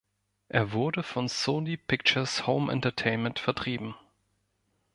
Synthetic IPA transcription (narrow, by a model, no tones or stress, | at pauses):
ʔeːɐvʊɐɾəfɔnsoːnipʰɪk̚t͡ʃɐshoʊmʔɛ̰̃ntɐtʰeɪnmɛ̃ntfɛɐtʁ̥iːbm̩